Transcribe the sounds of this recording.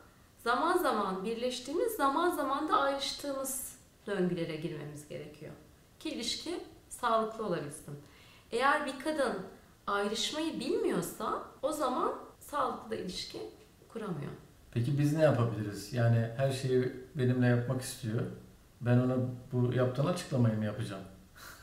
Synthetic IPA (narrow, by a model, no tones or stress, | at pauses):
z̥amanzamanbiɾlʲɛʃt̪ʰiːmizːamanzamand̪aːjɾɯʃt̪ʰɯːmɯz̥ | d̪øɲɟylʲe̞ɾɛɟiɾme̞̰mizɟe̞̰ɾecʰijo̰ | cʰiːlʲiʃcʰisaːlˠɯklˠɯo̞lˠabilsɯm | e̞jæɾbikʰad̪ɯn | ajɾɯʃmajɯbilʲmijo̞ɾsao̞zamansaːlˠɯklˠd̪ailʲiʃcʰi | kʰuɾamɯjo̰ | pʰecibiznɛjapʰabilʲiɾizjaːnihæɾʃe̞jibe̞nimlʲɛjapmaki̥st̪ʰijo | bæno̞nabujapt̪ʰɯːnat͡ʃʰɯ̥klˠamajɯmjapɯd͡ʒam